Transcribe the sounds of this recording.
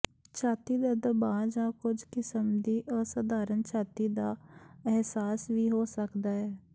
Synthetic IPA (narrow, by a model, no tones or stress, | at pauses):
t͡ʃʰaːt̪iːd̪aːd̪əbaːd͡ʒãːkʊd͡ʒkɪsəmd̪iːʔɔːsad̪aːɾənt͡ʃʰaːt̪iːd̪aːɛɦsaːsʋiːɦoːsəkd̪aːɦɛː